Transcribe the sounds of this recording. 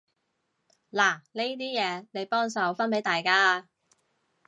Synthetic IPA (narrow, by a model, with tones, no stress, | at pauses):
laː˨˩ne˥t̪̬iː˥jɛː˨˧le˨˧jpɔː˥ŋsɐ˨˧wfɐ˥npe˨˥jt̪aː˨jkaː˥˧